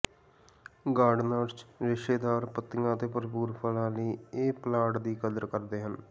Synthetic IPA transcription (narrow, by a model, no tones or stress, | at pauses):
ɡaːɾɖnaːɾt͡ʃɾɪʃeːd̪aːɾpət̪ːɪjãːt̪eːpəɾpuːɾpʰəlãːləiːeːplaːʈd̪iːkəd̪əɾkəɾd̪eːɦən